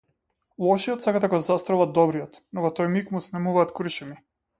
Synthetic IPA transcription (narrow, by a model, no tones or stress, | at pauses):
lˠɔʃijɔt̪sakad̪aɡɔzast̪ɾɔvad̪̚ɔbɾijɔt̪nɔvɔt̪ɔjmikmusnɛmuvaːt̪krɾʃɛmi